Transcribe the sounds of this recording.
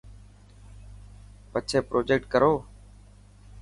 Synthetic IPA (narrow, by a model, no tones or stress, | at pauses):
pət͡ʃʰeːpɾʔoːd͡ʒeːk̚ʈkəɾoː